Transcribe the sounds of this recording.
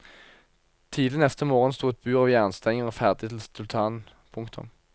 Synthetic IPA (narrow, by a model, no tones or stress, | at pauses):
t̪ʰiːd̪lɪnɛst̪əmoːʁənst̪uːɛt̪̚bʉːʁɑʋiːɑɑnst̪ʁɛŋəŋɔfæʁd̪ɪt̪ʰl̩st̪ʉlt̪ʰɑːn | pʰʊŋkt̪ʰʊ̰m